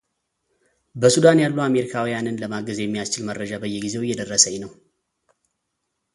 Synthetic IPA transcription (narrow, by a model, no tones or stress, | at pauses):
bəsud̪anjalːuame̞ɾikʰawijanɨnləmaɡəzjɛmːijast͡ʃɪlmərːəd͡ʒabəjːɛɡize̞wʊjːɛd̪ərːəsəɲːnəw